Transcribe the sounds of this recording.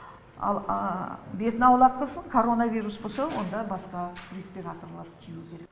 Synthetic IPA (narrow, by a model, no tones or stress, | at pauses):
ɑ̰lˠ | be̞t̪ɪnɑwlˠɑp̚qʰəlˠsəɴkʰo̞ɾo̞navʲijɾusbo̞lˠsɑwo̞nd̪ɑbɑsqɑrʲespʲiɾat̪o̞rlˠɑɾkʲʰeukʲʰe̞ɾek̚k